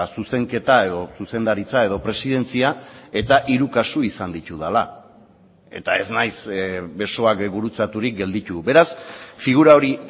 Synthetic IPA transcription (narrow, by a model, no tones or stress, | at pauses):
suse̞ŋke̞t̪ae̞ðo̞suse̞nd̪aɾit͡sae̞ð̞o̞pɾe̞siðe̞nt͡siae̞t̪aʔiɾukasuisand̪it̪uð̞ala | e̞̰t̪ae̞znajsbe̞so̞akbuɾut͡sat̪uɾik̚ɡe̞ld̪it̪ube̞ɾasfiɣ̞uɾao̞ɾi